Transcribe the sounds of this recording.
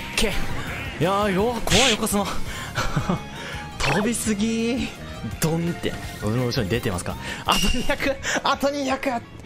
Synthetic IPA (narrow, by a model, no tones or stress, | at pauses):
kʰejajoakʰoajokosɨma | t̪ʰobʲisɨɡʲi | d̪õnt̪ḛoɾimoɯɕioɲid̪et̪e̞ma̰sɨ̥ka̰at̪oɲ̟ijakɯat̪oɲ̟ijakɯt